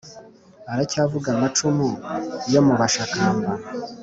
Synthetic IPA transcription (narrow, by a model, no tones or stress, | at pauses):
aɾacavuɡamat͡ʃumuijo̞muβaʃakaːmba